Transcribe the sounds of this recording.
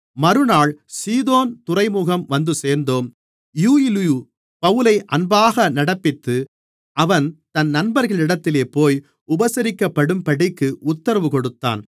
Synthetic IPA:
mɐɾɯnaːɭsiːðoːnt̪ʊrɐɪmuːɣɐmʋɐnd̪ɯseːɾnd̪oːm | juːɪlju | pɐʋɯlɐɪʔɐnbaːɣɐnɐɽɐpːɪt̪ːɯ | ʔɐʋɐnt̪ɐnnɐnbɐɾɣɐɭɪɽɐt̪ːɪleːpoːj | ʊbɐsɐɾɪkːɐpːɐɽɯmpɐɽɪkːɯʔʊt̪ːɐɾɐʋɯkɔɽɯt̪ːa̰ːn

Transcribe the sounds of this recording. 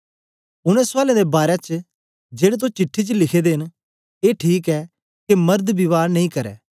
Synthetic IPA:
ʊɽ̃ɛ̃saːlẽd̪ebaːɾɛt͡ʃ | d͡ʒeːɽet̪̬ot͡ʃɪʈʰːit͡ʃlɪkʰed̪eːɦɪn | eːʈʰiːkɛː | kemɐɾd̪bɪʋaːɾnɐĩkɐɾɛ̰ː

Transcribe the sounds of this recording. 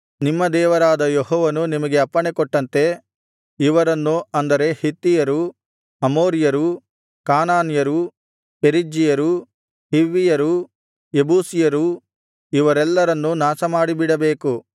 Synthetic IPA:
nimːɐd̪ɛːʋɐɾaːd̪ɐjeɦɔːʋɐnunimɐɡe̞ɐpːɐɳekɔʈːɐnt̪e̞ | iʋɐɾɐnːuɐnd̪ɐɾe̞hit̪ːijɐɾu | ɐmoːɾijɐɾu | kaːnaːnjɐɾu | peɾid͡ʒijɐɾu | hiʋːijɐɾu | ebuːsijɐɾu | iʋɐɾɛlːɐɾɐnːunaːsɐmaːɽibiɽɐbeːku

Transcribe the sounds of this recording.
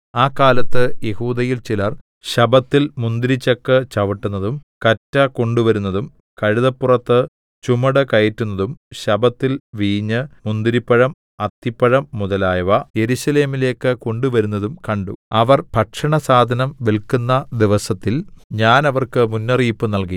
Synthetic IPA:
aːkːaːlɐt̪ːɨje̞huːd̪ɐjilt͡ɕilɐr | ɕɐbɐt̪ːilmund̪iɾit͡ɕːɐkːɨt͡ɕɐʋɐʈːunːɐðum | kɐtːɐko̞ɳɖuʋɐɾunːɐðum | kɐɻiðɐpːurɐt̪ːɨ | t͡ɕumɐɽɨkɐjɐtːunːɐðumɕɐbɐt̪ːilʋiːɲːɨmund̪iɾipːɐɻɐm | ɐt̪ːipːɐɻɐmːuðɐlaːjɐʋɐje̞ɾuɕɐle̞ːmile̞ːkːɨko̞ɳɖuʋɐɾunːɐðumkɐɳɖṵɐʋɐrbʱɐʈʂɐɳɐsaːd̪ʱɐnɐmʋelkunːɐd̪iʋɐsɐt̪ːilɲaːnɐʋɐrkɨmunːɐriːpːɨnɐlki

